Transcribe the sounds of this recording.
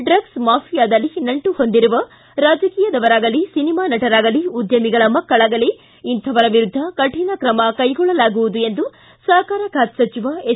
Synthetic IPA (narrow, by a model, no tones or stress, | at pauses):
ɖɾɐɡsmaːpʰijaːd̪ɐlːinɐɳʈuho̞nd̪iɾuʋɐ | ɾaːd͡ʒɐkiːjɐd̪ɐʋɐɾaːɡɐlisinimaːnɐʈɐɾaːɡɐliud̪jɐmiɡɐɭɐmɐkːɐɭaːɡɐli | int̪ʰɐʋɐɾɐʋiɾud̪ʱːɐkɐʈʰinɐkɾɐmɐkɐjɡɔɭːɐlaːɡuʋud̪ue̞nd̪u | sɐkaːɾɐkʰaːt̪sɐt͡ʃiʋae